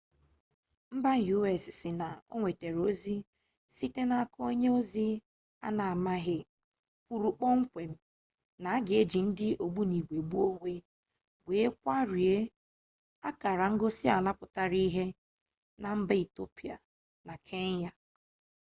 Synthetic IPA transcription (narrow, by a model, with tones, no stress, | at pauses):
m̩˦ba˦˨ju˦e˨sɪ˨sɪ˨na˨o̰˦ŋʷe˨te˨ɾo˦zi˦ | si˦te˦na˨ko˦ɲe˦o˦zi˦ | a̰˦na˨a˨ma˦ɦɪ˦ | kʷu˨ɾu˨k͡pɔ˦ŋ̩˦kʷe˨m̩˦ | na˨a˦ɡɪ˨e˦d͡ʒi˨n̩˦dɪ˦ʔo˨ɡ͡bu˦ni˨ɡʷe˨ɡ͡bu˦o˦ŋʷe˦ | be˨e˦kʷa˦ɾi˨e˦ | a˦ka˨ɾa˨ŋ̩˦ɡo˦si˦a˨la˦pʊ˨ta˦ɾi˦ɦe˦ | na˨m̩˦ba˦i˨to˦pi˨a̰˨ | na˨kʰe˦ɲ˦ja˦